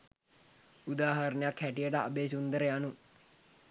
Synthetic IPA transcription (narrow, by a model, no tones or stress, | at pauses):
ud̪aːɦɐɾnəjakhæʈijəʈəa̰beːs̬und̪əɾəjanu